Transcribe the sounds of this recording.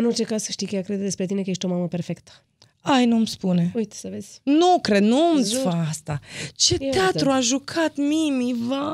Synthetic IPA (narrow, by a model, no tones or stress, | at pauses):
ɨno̞rt͡ʃe̞kazsəʃt̪ijkəjakɾed̪d̪espɾe̞t̪ine̞kəje̞ʃt̪ʲo̞maməperfe̞kt̪ə̥ | ajnumspune̞ujt̪səvez̥ʲnukɾed̪numziaast̪at͡ʃe̞t̪eat̪ɾuaʒukʰat̪mimiva